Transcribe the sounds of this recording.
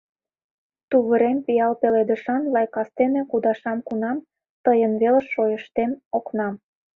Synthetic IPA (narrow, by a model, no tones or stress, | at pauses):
t̪uβəɾempijɑlpeled̪ə̆ʃɑnlɑjkɑst̪ene̽kud̪ɑʃɑmkunɑm | t̪əjənβelə̆ʃːojəʃt̪emoknɑm